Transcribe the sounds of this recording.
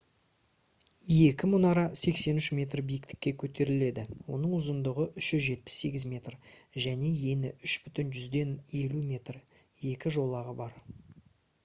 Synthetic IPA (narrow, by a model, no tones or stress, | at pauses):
je̞kʲɪmʊnɑɾɑse̞kse̞nʏʃmʲe̞t̪rbijɪkt̪ɪ̥kʲːe̞kʲʰɵt̪e̞ɾɪle̞d̪ɪwo̞̰nəɴʊzənd̪əʁəʔʏʃʒʏzʒe̞t̪̚pɪ̥sːe̞ɡʲɪzmʲe̞t̪rʒæne̞je̞nɪʏʃbʏt̪ɪnʒʏzd̪e̞ne̞lumʲe̞t̪r | je̞kʲɪʒo̞lˠɑʁəbɑɾ